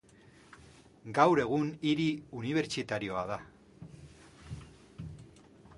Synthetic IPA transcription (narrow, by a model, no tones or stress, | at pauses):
ɡawɾe̞ɣ̞uniɾiuniβ̞e̞ɾt͡ʃit̪aɾio̞að̞a